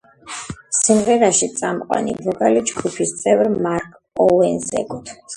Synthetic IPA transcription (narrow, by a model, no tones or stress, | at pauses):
simʁɛɾaʃit̪sʼamqʼwa̰nibɔɡalid͡ʒɡupʰist̪sʼɛvɾmaɾkʼ | ɔlɛnzɛ̰ɡʰʼut̪ʰms